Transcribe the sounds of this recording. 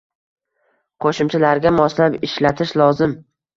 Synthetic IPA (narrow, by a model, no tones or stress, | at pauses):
qʰoʃɪmt͡ʃʰalaɾɡʲamɒslapɪʃlat̪ʰɪʃlˠɒzɪm